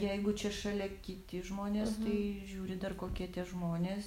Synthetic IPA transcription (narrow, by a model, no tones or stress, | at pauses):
jɛɪɡʊt͡ʃʲɛʃɐlʲɛkʲɪt̪ʲɪʒmoːnʲeːst̪ɐɪɪʒʲuːɾʲɪd̪ɐrkoːkʲiɛt̪ʲɛʒmoːnʲeːs